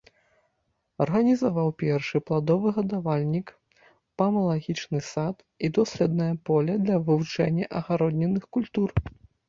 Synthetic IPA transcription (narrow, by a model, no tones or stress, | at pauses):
ɐrɣɐnʲizavawpʲɛrʂɨplˠad̪ɔvɨɣɐd̪avalʲnʲik | pɐmɐlˠaɣʲit͡ʂnɨsat̪ | id̪ɔsʲlʲɛd̪̚nɐjɐpɔlʲɐd̪lʲɐvɨvut͡ʂɛnʲːɐʔɐɣaɾɔd̪ʲnʲɛnɨxkulʲt̪ur